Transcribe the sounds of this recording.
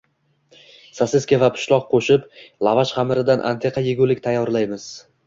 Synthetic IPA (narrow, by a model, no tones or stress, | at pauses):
sasɪskʲavapʰʊ̥ʃlˠɒq̚qʰoʃɪplˠavaʃχamɪɾɪd̪anʔa̰nt̪ʰe̞qʰɑjɪɡʲʊlɪkʲt̪ʰajːɒɾlajmɪz̥